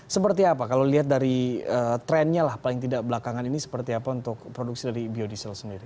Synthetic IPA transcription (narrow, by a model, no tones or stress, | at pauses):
səpərt̪iapakalowliɦat̪̚daɾiəːt̪ɾɛnɲalahpalɪŋt̪̬idaʔbəlakaŋaninisə̥pərt̪iapaunt̪ʊk̚pɾoduk̚sidaɾibiodisəlsəndiɾi